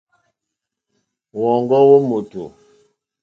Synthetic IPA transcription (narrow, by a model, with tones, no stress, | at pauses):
wɔ˨ŋɡɔ˦wo˦mo˨to̰˨